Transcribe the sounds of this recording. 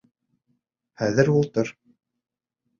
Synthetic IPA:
hæðɘɾulˠt̪ɤɾ

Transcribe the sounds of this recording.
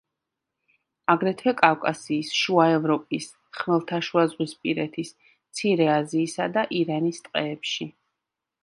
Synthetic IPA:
aɡɾɛt̪ʰwɛkʼafkʼasiːsʃuaɛvɾɔpʼis | χmɛlˠt̪ʰaʃuazʁwispʼiɾɛt̪ʰis | mt̪sʰiɾɛaziːsad̪aʔiɾanist̪ʼqʼɛːpʃi

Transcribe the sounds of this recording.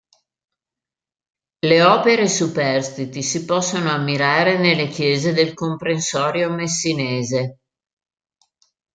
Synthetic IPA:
leɔːpeɾesupɛrst̪it̪isipɔsːonoamːiɾaːɾenelːekjɛːzed̪elkompɾensɔːɾjomesːineːze

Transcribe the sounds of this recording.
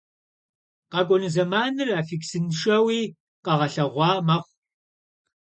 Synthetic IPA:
qɑɡʷʼɔnɨzɐmaːnɨraːfiksɨnʂɐwiː | qɐʁɐɬɐʁʷɑːmɐχʷ

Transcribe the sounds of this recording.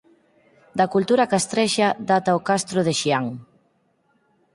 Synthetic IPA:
d̪ɐkult̪uɾakast̪ɾɛʃad̪at̪aokast̪ɾʊðɪʃiaŋ

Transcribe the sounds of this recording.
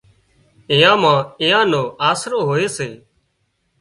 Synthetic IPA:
ɪːjãːmãːɪ̃ːãːnoːʔaːsɾoːɦoːeːseː

